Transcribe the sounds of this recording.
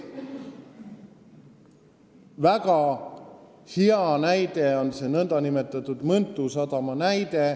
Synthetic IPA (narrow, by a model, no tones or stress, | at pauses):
væɡ̥ɑ | hiɑnæjd̪e̞o̞nse̞ːnɤnd̪̥ɑnime̞t̪ːˑɑt̪ːˑud̪̥mɤnt̪ːˑusɑt̪ɑmɑnæjd̪̥e̞